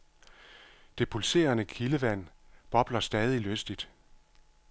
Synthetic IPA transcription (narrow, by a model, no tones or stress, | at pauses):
d̥e̝pʰulse̝̰ːɐnəkʰiləʋæn̰b̥ɒ̽b̥lɐsd̥ɛːð̞ˠiløsd̥id̥